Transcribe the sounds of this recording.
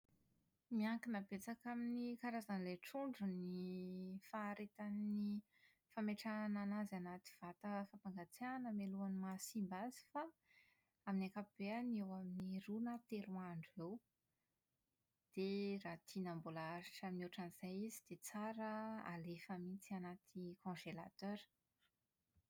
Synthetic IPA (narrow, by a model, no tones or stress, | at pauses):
miaŋkinəbet͡sakaminikaɾazanleʈ͡ʂuɳɖ͡ʐuni | faːɾet̪ani | fameʈ͡ʂananazanat̪i̥v̥at̪əfapaŋɡat͡sianəmeluanimasimbazi̥fa | aminiakapib̥eanewaminiɾunət̪eɾuaɳɖ͡ʐew | d̪̥erat̪ʰinambolaaɾiʈ͡ʂaminioʈ͡ʂaniz̥ajizid̪̥et͡saɾəa̰lefəmit͡sianat̪ʰikɔ̃ʒelat̪øɾ